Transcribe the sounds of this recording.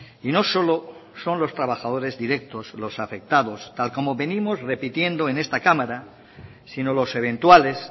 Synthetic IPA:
ino̞so̞lo̞so̞nlo̞st̪ɾaβaxað̞o̞ɾe̞zðiɾe̞k̚t̪o̞slo̞safe̞k̚t̪aðo̞st̪alko̞moβe̞nĩmo̞sre̞pit̪je̞nd̪o̞e̞ne̞st̪akamaɾa | sino̞lo̞se̞β̞ẽ̞nt̪wale̞s

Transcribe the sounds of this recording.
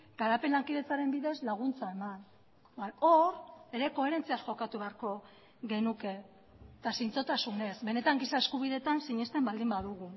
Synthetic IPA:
ɡ̥aɾape̞nlaŋkiðe̞t͡saɾe̞mbiðe̞zlaɣ̞unt͡sae̞man | anoɾe̞ɾe̞ko̞e̞ɾe̞nt͡siasxo̞kat̪uβe̞aɾko̞ | ɣe̞nuke̞ | t̪asint͡so̞t̪asune̞sbe̞ne̞t̪aŋɡisaeskuβ̞iðe̞t̪ansiɲe̞st̪e̞mbald̪imbaðuɣu

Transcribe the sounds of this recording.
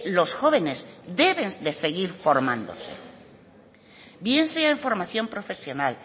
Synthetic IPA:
lo̞sxo̞βe̞ne̞zd̪e̞βend̪e̞se̞ɣiɾfo̞ɾmãnd̪o̞̰se̞̰ | bje̞nseaeɱfo̞ɾmaθjo̞mpɾo̞fe̞sjo̞nal

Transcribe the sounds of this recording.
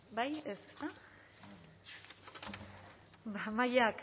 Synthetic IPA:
bajese̥st̪a | bamajak

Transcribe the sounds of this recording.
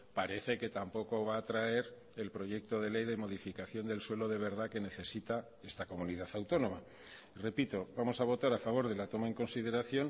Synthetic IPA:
paɾe̞θe̞ke̞t̪ampo̞ko̞β̞aːt̪ɾae̞ɾ | e̞lpɾo̞ʝe̞k̚t̪o̞ð̞e̞le̞jðe̞mo̞ðifikaθjo̞nd̪e̞lswe̞lo̞ðe̞β̞e̞ɾðake̞ne̞θe̞sit̪a | e̞st̪ako̞muniðaθawt̪o̞nõ̞ma | re̞pit̪o̞βamo̞saβ̞o̞t̪aɾafaβ̞o̞ɾðe̞lat̪o̞mae̞ŋko̞nsið̞e̞ɾaθjo̞n

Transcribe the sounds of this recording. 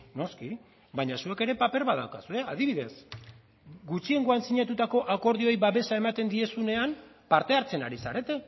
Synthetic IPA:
no̞ski | baɲasue̞ke̞ɾe̞pape̞ɾβaða̰wkasue̞aðiβ̞iðe̞s | ɡut͡ʃie̞ŋɡo̞ansiɲat̪ut̪ako̞ʔako̞ɾð̞io̞jβaβe̞sae̞mat̪e̞nd̪ie̞sune̞am | paɾt̪e̞aɾt͡se̞naɾisaɾe̞t̪e̞

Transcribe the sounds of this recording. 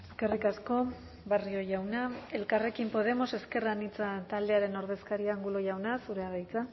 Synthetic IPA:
ekarikasko̞ | bario̞ʝawnae̞lkare̞kimpo̞ð̞e̞mo̞seske̞ranit͡sat̪ald̪e̞aɾe̞no̞ɾð̞e̞skaɾiaːŋɡulo̞ʝawnasuɾe̞aðajt͡sa

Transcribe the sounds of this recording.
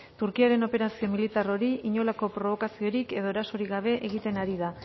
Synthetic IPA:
t̪uɾkiaɾe̞no̞pe̞ɾasio̞milit̪aro̞ɾiiɲo̞lako̞pɾo̞β̞o̞kasio̞ɾike̞ðo̞eɾaso̞ɾiɣaβ̞e̞ʔeɣ̞it̪e̞naɾiða

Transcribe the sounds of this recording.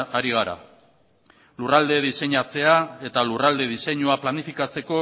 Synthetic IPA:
aɾiɣ̞aɾa̰ | lurald̪e̞ðise̞ɲat͡se̞ae̞t̪alurald̪e̞ð̞ise̞ɲuaplanifikat͡se̞ko̞

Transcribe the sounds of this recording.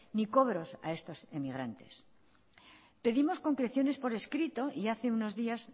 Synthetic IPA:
niko̞βɾo̞sa̰e̞st̪o̞se̞miɣ̞ɾant̪e̞̰s | pe̞ðimo̞sko̞ŋkɾe̞θjo̞ne̞spo̞ɾe̞skɾit̪o̞ʔiaθeuno̞zðias

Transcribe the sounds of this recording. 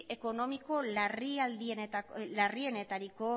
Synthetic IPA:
ʔe̞ko̞no̞miko̞lariald̪iet̪alarie̞ne̞t̪aɾiko̞

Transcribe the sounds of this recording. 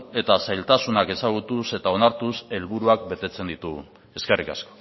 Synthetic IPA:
e̞t̪asajlt̪asunake̞saɣ̞ut̪use̞t̪ao̞naɾt̪use̞lβuɾuak̚be̞t̪e̞t͡se̞nd̪it̪uɣṵn | e̞skerika̰sko̥

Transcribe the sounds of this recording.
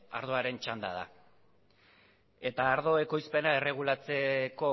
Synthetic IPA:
a̰ɾð̞o̞aɾe̞nt͡ʃand̪a̰ða̰ | e̞t̪aːɾðo̞e̞ko̞jspe̞naere̞ɣ̞ulat͡se̞ko̞

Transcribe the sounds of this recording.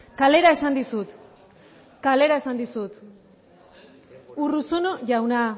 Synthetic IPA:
kale̞ɾae̞sand̪isut̪ | kale̞ɾae̞sand̪isut̪ | urusonoʝawna

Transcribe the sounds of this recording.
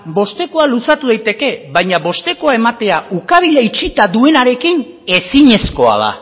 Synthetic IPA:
bo̞st̪e̞ko̞alusat̪uðajt̪e̞ke̞βajɲaβo̞st̪e̞ko̞ae̞mat̪e̞aukaβ̞iʎait͡ʃit̪aðue̞naɾe̞kin | e̞siɲe̞sko̞a̰ð̞a̰

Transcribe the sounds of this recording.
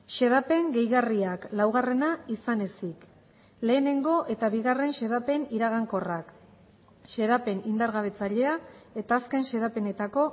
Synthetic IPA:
ʃe̞ðape̞ŋɡe̞jɣariaklawɣare̞naisane̞sik | le̞ːne̞ŋɡo̞ʔe̞t̪aβiɣare̞nʃe̞ðape̞niɾaɣ̞aŋko̞rak | ʃe̞ðape̞nind̪aɾɣaβ̞e̞t͡saʎe̞ae̞t̪aːske̞nʃe̞ðape̞ne̞t̪ako̞

